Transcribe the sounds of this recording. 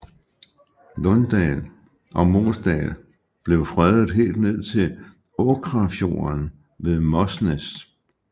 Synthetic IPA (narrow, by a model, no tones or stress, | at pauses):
nɔnd̥ɛl | ʔɒ̽mo̝̰ːsd̥ɛ̰l | b̥le̝ʊfʁɛðˠð̩ˠɦe̝̰ːld̥ne̝ð̞̰ˠt͡sʰe̝l | ɔkʰʁɑfjo̝̰ːɐn | ʋe̝ðˠmɒsnes